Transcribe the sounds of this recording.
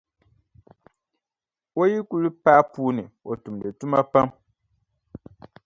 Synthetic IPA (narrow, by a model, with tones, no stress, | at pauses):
o˦ji˦ku˦lɨ˦pa˦puː˦nɨ˨o˨tu˨mdɨ˨tu˦ma˦pa˦m